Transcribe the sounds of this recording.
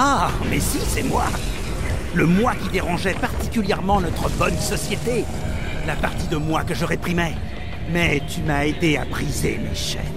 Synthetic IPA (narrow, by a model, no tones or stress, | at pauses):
amɛsisɛmwa | ləmwakʲid̪eʁɑ̃ʒɛpaʁt̪ikʲyljɛʁmɑ̃nɔt̪χəbɔnsɔsjet̪e | lapaʁt̪id̪əmwakəʒəʁepχimɛ | mɛt̪ymaed̪ea̰bʁizemḛʃɛ̰